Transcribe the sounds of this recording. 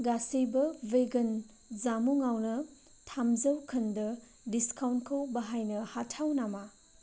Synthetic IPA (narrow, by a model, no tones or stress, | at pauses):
ɡasibɐveɡɐn | zamuŋawnɐ | tʰamzɐwkʰɐndɐ | diskawntkʰɐwbɐɦajnɐhatʰawnama